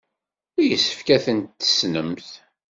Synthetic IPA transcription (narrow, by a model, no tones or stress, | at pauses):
æjəsːə̥fkæθənt̪ːə̥snəmθ